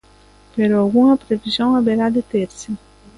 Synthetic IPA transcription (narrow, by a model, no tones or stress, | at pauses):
peɾoalɡuŋɐpɾevizjoŋaβeɾad̪et̪eɾsi